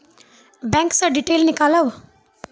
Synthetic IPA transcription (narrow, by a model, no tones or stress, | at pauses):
bɛ̃ŋksɐɖiʈeːlnikalɐw